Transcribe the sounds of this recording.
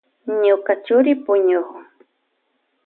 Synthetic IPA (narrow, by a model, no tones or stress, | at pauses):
ɲʊkat͡ʃʊɾɪpʊɲʊhʊ